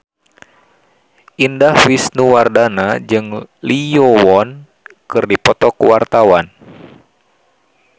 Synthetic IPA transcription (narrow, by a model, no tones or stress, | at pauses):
ʔindahfisnuwardanad͡ʒɨŋlijɔwɔn | kɨrdipɔt̪ɔkəwart̪awan